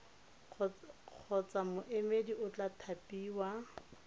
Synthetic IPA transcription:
q͡χʰɔt͡samʊʔemediʔʊt͡ɬʼatʰapʼiːwa

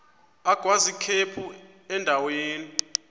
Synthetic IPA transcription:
aɡ̥ʱwazikʰepʰu | ɛndʱaweːni

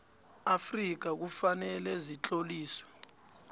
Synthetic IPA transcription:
afrik̬ak̬ufanɛlɛzit͡ɬʼoliːsɔ̥

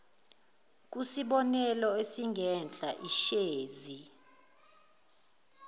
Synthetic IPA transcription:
k̬ʼusiɓɔnɛlɔesiŋɡʱɛnd͡ɮʱaʔiʃeːzi

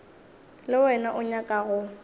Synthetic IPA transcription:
lɪwɛnaʔʊɲakʼaɣʊ

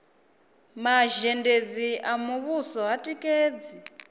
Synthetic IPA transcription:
maʒɛnded͡ziamuβusɔɦatʼikʼeːd͡zi

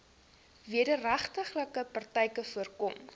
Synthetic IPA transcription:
viədəræχtəχləkəpɐrtɛjkəfuərkɔm

